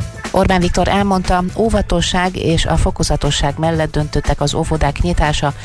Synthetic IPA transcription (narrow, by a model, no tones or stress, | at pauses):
ʔo̞rbaːnvikt̪o̞ɾʔɛlmo̞nt̪ɒoːvɒt̪o̞ʃːaːɡeːʃɒ̰fo̞kozɒt̪o̞ʃːaːɡmɛlːɛd̪̚ːø̞nt̪ø̞t̪ːɛkɒzovod̪aːkɲit̪aːʃɒ